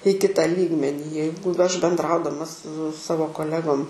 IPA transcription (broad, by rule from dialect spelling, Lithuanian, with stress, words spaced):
iː ˈkʲɪtɐ ˈlʲiːɡmʲɛnʲiː ˈjɛɪɡʊ ɐʃ bʲɛndˈrɐʊdɐmɐ sʊ ˈsɑːʋoː koːˈlʲæːɡoːm